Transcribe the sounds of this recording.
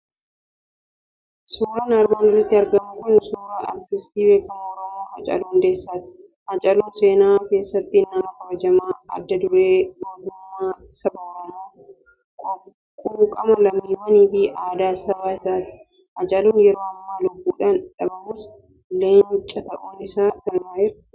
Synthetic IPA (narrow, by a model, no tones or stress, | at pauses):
suːɾɐnɐɾbɐːnɪrːɐt̪ːɪɐɾɡɐmʊkʊnsuːɾaʔɐ̰ɾt̪ɪst̪iːbe̞ːkːɐmɔɾɐmoːhɐ̰t͡ʃʼɐ̰luːnd̪eːsːaːt̪ɪ̥ | hɐt͡ʃʼɐluːnse̞ːnaːke̞ːsːɐt̪ːɪnːɐmɐkɐbɐd͡ʒɐmaːɐ̰d̪ːɐd̪ʊɾe̞ːmoːt̪ʊmːaː | sɐbɐwɐluː | kʼʊ | kʼuːkʼɐmɐlɐmiːmɐniːfɪʔaːd̪aːsɐbaːɪsaːt̪ɪ̥ | hɐt͡ʃʼɐluːnjɛɾo̞ːɐmːaːlʊbːuːᶑaːnᶑɐbɐmʊs | leːnt͡ʃʼɐt̪ɐʔuːnɪsaːt̪ɐlmaːɪɾɐ̥